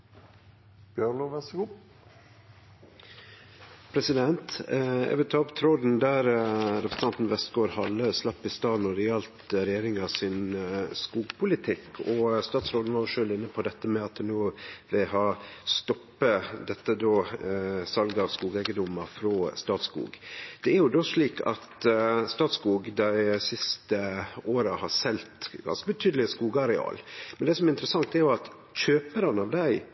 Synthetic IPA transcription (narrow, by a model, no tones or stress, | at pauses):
b̥jøɳoʋɛsɡo | pʰɾɛsɪd̪ɛnt̪æ̰ʋɪlt̪ʰɑːpt̪ʰɾoːd̪n̩d̪æɾɾɛpʰɾsn̩ɑnt̪n̩ʋɛst̪ɡoːɾhɑlːəslɑpːɪst̪ɑːnɔɾɛɑlt̪əɾɛjeːɾɪŋɑsɪnskuːɡpʰʊlɪt̪ʰɪkːʰɔst̪ɑːt̪sɾoːd̪n̩ɑʂøːlɪnːəpʰɔd̪ɛt̪ːəmɛɑt̪̚d̪ɛnnoːʋɪlhɑst̪ɔpːəd̪ɛt̪ːəd̪oːsɑlɡəɑʋskuːɡæɪɡənd̪ʊmːəɾfɾɔst̪ɑːt̪skṵːɡd̪̥ɛæɾjʊd̪oːʂɭiːkʰɑ̰t̪st̪ɑːt̪skuːɡd̪æɪsɪst̪əoːɾəhɑɾsɛlt̪ɡɑ̰nskəbət̪ʰyːd̪əlɪskuːɡəɑɾɛɑ̰ːlmɛnd̪ɛsɔmɛɾɪnt̪əɾəsɑŋt̪æɾjʊɑt̪ | çøːpəɾənɑʋd̪æɪ